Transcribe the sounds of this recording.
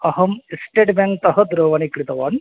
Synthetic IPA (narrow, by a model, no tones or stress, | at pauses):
ɐɦɐmisʈeːʈbeŋk̚t̪ɐɦɐd̪ɾoːʋɐnikɾit̪ɐʋaːn